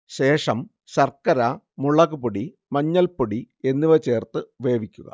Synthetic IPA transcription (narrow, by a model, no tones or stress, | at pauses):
ɕe̞ːʂɐm | ɕɐrkːɐɾa | muɭɐɣupoɽi | mɐɲːɐlpoɽi | e̞nːiʋɐt͡ɕe̞ːrt̪ɨʋe̞ːʋikʲːuɣɐ̰